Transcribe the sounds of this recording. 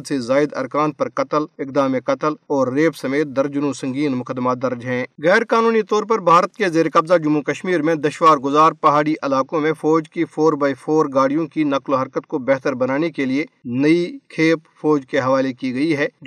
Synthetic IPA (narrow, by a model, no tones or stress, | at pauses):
d̪sezaːɪd̪ɐ̰ɾkaːnpɐɾkɐt̪əlɪk̚d̪aːmẽkɐt̪əlɔːɾːeːpsɐmeːt̪̚d̪ɐɾd͡ʒnõsɐ̃ŋɡiːnmʊkəd̪ːmaːd̪ɐɾd͡ʒɦɛ̃ːɣɛːɾkaːnuːnit̪ɔːɾpɐɾbʱaːɾət̪kezeːɾekɐbzad͡ʒʊmːukɐʃmiːɾmẽd̪ɐʃwaːɾɡʊzaːɾpɐɦaːɽiʔɐlaːkõmẽfɔːd͡ʒkifoːɾbaːifʰoːɾɡaːɽijõkinɐkloɦɐɾkət̪̚kobɛɦt̪əɾbɐnaːnekelienɐikʰeːpfɔːd͡ʒkeɦɐʋaːlekiɡɐiɦɛː